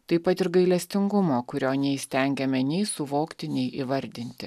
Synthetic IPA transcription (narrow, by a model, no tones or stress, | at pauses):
t̪ɐɪpɐt̪ɪɾɡɐɪlʲɛsʲt̪ʲɪŋɡʊmoːkʊɾʲoːnʲɛɪsʲt̪ʲɛŋʲɡʲɛmʲɛnʲɛɪsʊʋoːkt̪ʲɪnʲɛɪʔiʋɐɾʲd̪ʲɪnʲt̪ʲɪ